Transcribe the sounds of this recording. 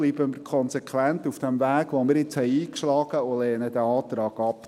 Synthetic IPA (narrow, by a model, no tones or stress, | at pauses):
liːbəmɪkʰɔnsɛkʰʋæntufd̥ɛmvæːɡʋomɪɾɪt͡shɛɪiːkʃlɑːɡ̥əolɛːnədæɑːt̪ɾɑːɡ̥ɑp